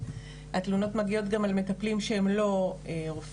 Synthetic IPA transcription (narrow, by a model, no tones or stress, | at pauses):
atluno̞tmaɡio̞tɡamalme̞taplimʃeemlo̞eʁof